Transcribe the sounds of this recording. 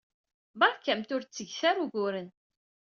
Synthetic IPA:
bɑɾˤkːæmt̪ʊɾt͡sːəʝθæɾuɡʊɾən

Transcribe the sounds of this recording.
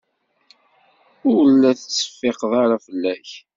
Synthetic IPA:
ʊɾlːæθət͡sːə̥fːeqðˤaɾafəlːæç

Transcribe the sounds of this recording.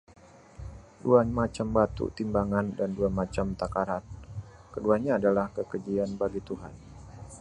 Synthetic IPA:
duamat͡ʃambat̪ṵt̪imbaŋandanduamat͡ʃamt̪akaɾat̪̚kəduaɲaːdalahkəkəd͡ʒianbaɡit̪uɦa̰n

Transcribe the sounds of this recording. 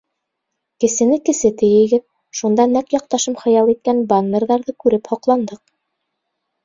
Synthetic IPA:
kɘ̆sɘ̆nɘkɘ̆sɘt̪ɘ̆jɘ̆ɡɘð | ʃund̪ɑnækjɑq̚t̪ɑʃɤmχɤ̆jɑlˠit̪̚kænbanːerðɑɾðɤkʉɾɘphŏqlˠɑnd̪ɤq̚

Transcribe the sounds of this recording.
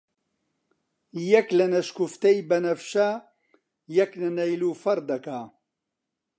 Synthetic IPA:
jɐklɨnɐʃkuft̪ejbɐnɐfʃa | jɛklɨnɐjluːfɐɾd̪ɐka

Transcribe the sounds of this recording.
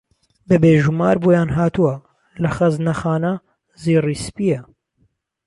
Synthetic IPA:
bɐbeːʒumaːɾboːjaːnɦaːt̪uwɐ | lɐxɐznɐxaːnɐ | ziːriːspiːjɐ

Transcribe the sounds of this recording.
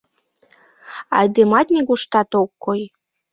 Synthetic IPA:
ɑjd̪emɑt̪nʲiɣuʃt̪ɑt̪okːoj

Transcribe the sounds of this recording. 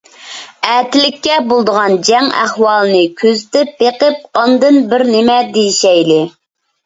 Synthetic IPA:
æːt̪ɪlɪkʲːɛbolˠd̪əʁɑnd͡ʒɛŋæ̰hwɑlˠɨnɨkʲʰøzɪt̪ɪp̚beqɨp̚ɑnd̪ɨnbɪɾnɪmɛd̪ejiʃɛjlɪ

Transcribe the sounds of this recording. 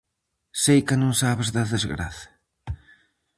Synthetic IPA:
sejkɪnõŋsaβezðaðezɣɾa̰θɐ̥

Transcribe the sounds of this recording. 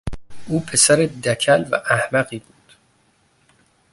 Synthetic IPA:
ʔuːpʰesæɾed̪ækʰælvæ̰ʔæhmæɣiːbuːd̪̥

